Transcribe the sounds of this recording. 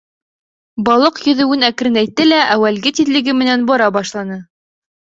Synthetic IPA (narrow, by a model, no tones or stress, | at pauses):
bɑlˠɤqjɵ̆ðɘ̆wɘnækɘ̆ɾɘnæjt̪ːɘlæʔæwælɡɘt̪iðlɘ̆ɡɘmɘ̆nænbɑɾɑbɑʃlˠɑnɤ